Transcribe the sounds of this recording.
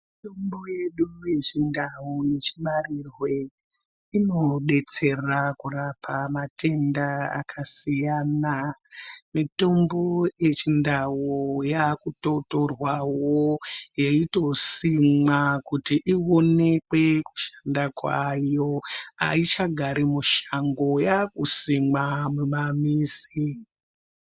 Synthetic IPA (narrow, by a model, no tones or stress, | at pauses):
itombo̞jeɗuje̞t͡ʃindaune̞t͡ʃiɓarirwe̞ | ino̞ɓe̞t͡se̞rakurapʰamate̞ndaa̰kʰasijaːna | mito̞mbo̞je̞t͡ʃindawojakuto̞to̞rwawojeito̞simakutiʔio̞ne̞kwe̞ku̥ʃḁndakwajo̞a̰it͡ʃaɡʱaɾimuʃaŋɡo̞jakusimamumamiːsi